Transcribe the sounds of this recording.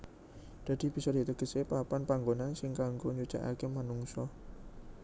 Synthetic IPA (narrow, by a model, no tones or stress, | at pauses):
d̪̥ä̤d̪̥i̤b̥i̤sɔd̪̥i̤t̪əɡ̥ə̤sepapanpaŋɡonansɪŋkaŋɡoɲud̥ʒ̥a̰ʔa̰kemanuŋsɔ